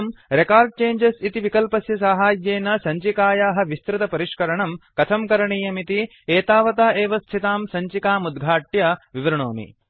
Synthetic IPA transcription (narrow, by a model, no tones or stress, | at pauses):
mɾekaːɾɖ̚t͡ʃeːɲd͡ʒɐsit̪iʋikɐlpɐsjɐsaːɦaːjjeːnɐsɐɲt͡ʃikaːjaːɦɐ̆ʋist̪ɾɪt̪ɐpɐɾiʂkɐɾɐɳɐmkɐt̪ʰɐmkɐɾɐɳiːjɐmit̪i | eːt̪aːʋɐt̪aːeːʋɐst̪ʰit̪aːmsɐɲt͡ʃikaːmud̪ɡʱaːʈjɐʋiʋɐɾɐɳoːmḭ